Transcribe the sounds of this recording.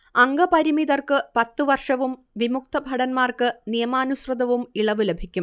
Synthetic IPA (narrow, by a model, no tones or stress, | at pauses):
ɐŋɡɐpɐɾimiðɐrkɨpɐt̪ːɨʋɐrʂɐʋum | ʋimuk̚t̪ɐbʱɐɽɐnmaːrkɨnijɐmaːnuɕrɨd̪ɐʋumiɭɐʋɨlebʱikʲːum